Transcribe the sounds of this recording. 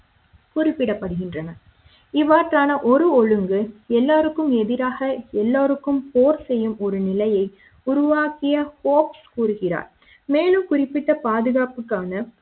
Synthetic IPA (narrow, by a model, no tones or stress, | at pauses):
kʊrɪpːɪɽɐpːɐɽɯɣɪndrɐnɐ | ɪʋaːʈraːnɐʔɔɾɯɔɻɯŋɡɯɛlːaːɾɯkːɯmɛðɪɾaːɣɐɛlːaːɾɯkːɯmpoːɾsɛjːɯmɔɾɯnɪlɐjɐɪ | ʊɾʊʋaːkɪjɐhoːpskuːɾɯɣɪra̰ːɾ | meːlɯmkʊrɪpːɪʈːɐpaːðɯɣaːpɯkːaːnɐ